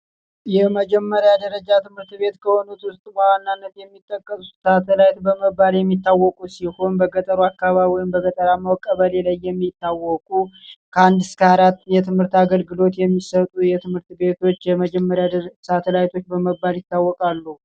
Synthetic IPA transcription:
jɛməd͡ʒɛmːəɾjad̪əɾəd͡ʒat̪ʰɨmhɨɾt̪be̞t̪kʰəho̞nut̪wʊst̪ʼmawanːanːət̪jɛmːit̪ʼːəkʼːəsu̥t̪sat̪ʰəlajt̪bəməbːaljɛmːit̪ːawːɔkʼusiho̞nbəɡət̪ʼəɾuakːaβaβiwjɪmbəɡət̪ʼəɾamawkʼːəβəlelajːɛmːit̪ːawɔkʼukʰəand̪ɨskʰəaɾat̪ːjɛt̪ʰɨmhɨɾt̪aɡəlɡɨlo̞t̪jɛmːisət̪ʼujɛt̪ʰɨmhɨɾt̪be̞t̪ʰo̞t͡ʃːjɛməd͡ʒɛmːəɾjasat̪ʰəlajt̪ʰo̞t͡ʃːbəməbːaljɪt̪ːawːɔkʼalːu

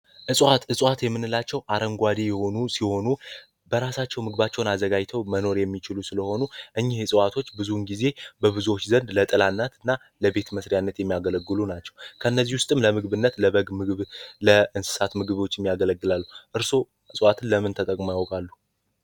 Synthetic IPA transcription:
ʔɨsʼwat̪ɨsʼwat̪jɛmːɨnːɨlat͡ʃːɛwʔaɾəŋɡʷad̪ejɛho̞nusiho̞nu | bəɾasat͡ʃːɛwmɨɡɨβat͡ʃːɛwnazəɡajt̪ʰəwməno̞ɾjɛmːit͡ʃɪlusɨləho̞nuʔɨɲːɪhɨsʼwat̪ʰo̞t͡ʃːbɨzunɡize̞bəβɨzuwo̞t͡ʃːzənd̪lət̪ʼɨlanːat̪ɨnːa | ləbe̞t̪məsɾjanːət̪jɛmːijaɡələɡːɨlunat͡ʃːɛwkʰəɨnːəzːihwʊst̪ʼɨmləmɨɡβɨnːət̪ləβəɡmɨɡβləɨnsɨ̥sat̪mɨɡɨβo̞t͡ʃːɪmːjaɡələɡːɨlalːhuʔɨɾso̞ | ɨsʼwat̪ʰɨnləmɨnt̪ʰət̪ʼəkʼmjawkʼalːu

